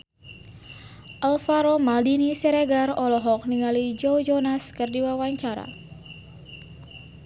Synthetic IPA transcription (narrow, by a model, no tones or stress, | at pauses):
ʔalfaɾomaldinisɛɾeɡarɔlɔɦɔk̚niŋalid͡ʒowd͡ʒɔnaskərdiwawaɲt͡ʃaɾa̰